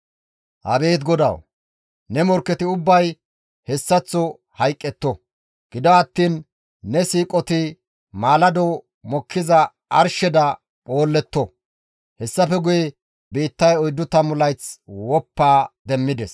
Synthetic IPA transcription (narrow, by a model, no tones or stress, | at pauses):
hɐ̰be̞ːt̪ɡɔd̪ɐ̰w | nɛmɔɾkːɛt̪ɪʊbːɐj | hɛsːɐt͡sːɔ | hɐjkʼːɛt̪ːɔ | ɡ̥ɪd̪ɐwɐt̪ːiːnː | ɛsiːkʼɔt̪ɪ | maːlɐd̪ɔw | mɔkʰːɪzɐ | ʔɐɾʃɛd̪ɐ | pʼo̞ːlːɛt̪ːɔ | hɛsːɐfɛɡʊjɛ | biːt̪ːɐjɔjd̪ːʊt̪ɐmʊlɐjt͡swɔpːaːd̪ɛmːɪd̪ɛs